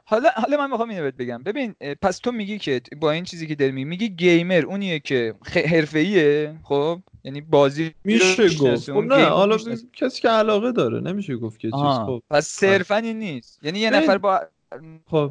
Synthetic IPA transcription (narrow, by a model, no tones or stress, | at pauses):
hɒːlɒhɒːlɒmænmixɒːminobet̪̚be̞ɟæmbe̞binpʰæst̪ʰo̞miɟicʰe̞bɒːiːnt͡ʃʰiːziːcʰe̞d̪ɒɾimiɡimiɟiɟejme̞ɾuːnijecʰe̞eɦe̞ɾfe̞iːexob̥jæniːbɒːzimiʃeɡoenæhɒ̰lɒcʰæsi̥ːceælɒːɣed̪ɒːɾḛnemiʃeɡoft̪cʰet͡ʃɦiːopʰæsːeɾfæninːist̪jæniːjenæfæɾbɒ | o